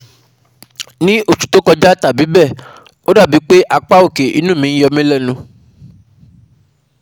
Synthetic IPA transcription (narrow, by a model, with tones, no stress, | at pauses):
nĩ˦o˦˨ʃu̥˨to˦kɔ˧d͡ʒa˦ta˨bi˨˦bɛ˦˨ | o˦da˦˨bi˨˦k͡pe˦ʔa˧k͡pa˦o˦˨ke˨ʔḭ˨˦nũ˦˨mĩ˧n̩˦jɔ˧mẽ˦lɛ˦˨nũ˧